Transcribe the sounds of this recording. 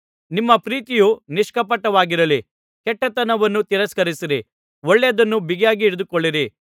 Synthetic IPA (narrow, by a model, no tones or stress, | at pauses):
nimːɐpɾiːt̪ijuniʂkɐpɐʈːɐʋaːɡiɾɐli | kɛʈːɐt̪ɐnɐʋɐnːut̪iɾɐskɐɾisiɾi | ɔɭːejɐd̪ɐnːubiɡjaːɡiːɽed̪ukoɭːiɾi